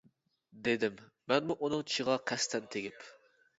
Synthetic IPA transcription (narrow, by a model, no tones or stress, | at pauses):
d̪ed̪ɪmː | ɛnmuʔunɨŋt͡ʃʰi̥ʃəʁɑqʰæst̪ʰɛnt̪ʰeɡʲɪp